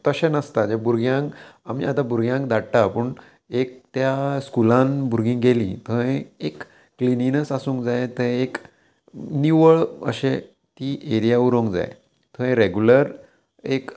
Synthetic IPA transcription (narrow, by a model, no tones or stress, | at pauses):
t̪əɕẽnəst̪ad͡ʑebuɾɡjãŋkamḭat̪ãbuɾɡjãŋkd̪aɽʈ̪apəːɳ | ek̚t̪jaskulãnbuɾɡĩŋɡelḭ̃t̪ʰəɦẽekː | lininəsasũːŋkd͡zajt̪əek | niʋəɭə̰ɕe | t̪iʔeɾijauɾõŋkd͡za̰j | t̪ʰəẽɾeɡjuləɾ | ek